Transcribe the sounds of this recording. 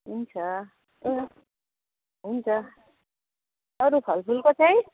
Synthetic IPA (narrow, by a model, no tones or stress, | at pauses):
ɦunt͡ʃʰa | ɦunt͡ʃʰa | ʌɾubʰʱʌlpʰulkot͡sʰaj